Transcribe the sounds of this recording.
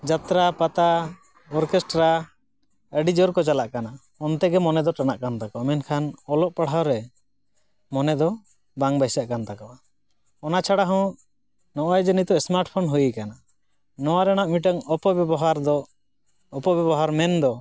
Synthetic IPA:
d͡ʒat̪ɾapat̪a | ɔɾkɛsʈɾa | əɖid͡ʒɔɾkɔt͡ʃalaʔkana | ɔnt̪ɛɡɛmɔnɛd̪ɔʈanaʔkant̪akɔamɛnkʰanɔlɔʔpaɽ̤awɾɛ | mɔnɛd̪ɔ | baŋbajsjaʔkant̪akɔʔa | ɔnat͡ʃʰaɽaɦɔ̃ | nɔʔɔjɛd͡ʒənit̪ɔɛsmaɾʈpʰɔnɦujikana | nɔwaɾañaʔmiʈaŋɔpɔbɛbɔɦaɾd̪ɔ | ɔpɔbɛbɔɦaɾmɛnd̪ɔ

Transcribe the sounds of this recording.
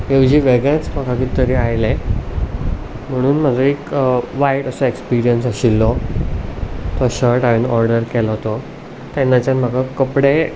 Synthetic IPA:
eʋd͡ʑiːʋeɡẽt͡spəkʰakit̪əɾiajle | m̤əɽ̃uːnm̤ad͡zoekʋajʈəsɔekspiɾijənsaɕilːɔ | t̪ɔɕəɾʈaʋenɔɾɖəɾkɛlɔɦot̪ɔ | t̪jɛnːat͡ɕjanm̤akakəpɽe

